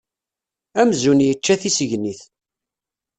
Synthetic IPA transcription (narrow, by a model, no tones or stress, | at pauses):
æmzunjət͡ʃːæθisəʝniθ